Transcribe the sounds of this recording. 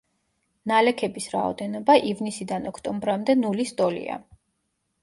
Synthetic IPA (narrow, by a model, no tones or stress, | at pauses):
nalɛkʰɛbisɾa̰ɔ̰d̪ɛnɔbaʔivnisid̪anɔkʰt̪ʼɔmbɾamd̪ɛnulist̪ʼɔlḭa̰